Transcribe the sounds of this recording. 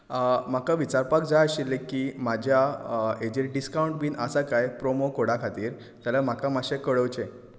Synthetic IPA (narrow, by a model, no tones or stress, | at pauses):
m̤akaʋit͡ɕaɾpak̚d͡zajəɕilːekiːmad͡ʑʱjaed͡ʑeɾɖiskauɳʈ̚biːnəsakajpɾomokoɽakʰat̪iːɾ | t̪jalam̤akamaɕekəɽəʋt͡ɕe